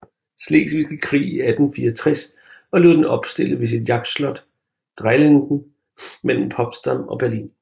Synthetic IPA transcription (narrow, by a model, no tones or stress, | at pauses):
sle̝̰ːsʋisɡ̥əkʰʁḭːiæd̥n̩fiːɒt͡sʰʁɛs | ɒ̽le̝ðˠd̥enɒ̽b̥sd̥e̝ləʋe̝s̬id̥jɑ̈ɡ̥̚d̥slɒ̽d̥ | d̥ʁaɪleŋd̥n̩ | mel̰m̩pʰɒ̽b̥sd̥ɑmɒ̽b̥æɐlḭːn